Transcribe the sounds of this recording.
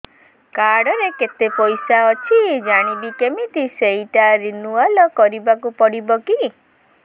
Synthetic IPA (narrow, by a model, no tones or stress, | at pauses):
kaɽɔɾeket̪epɔjsaɔt͡ʃʰid͡ʒaɽ̃ibikemit̪iseiʈaɾinualɔkɔɾibakupɔɽibɔki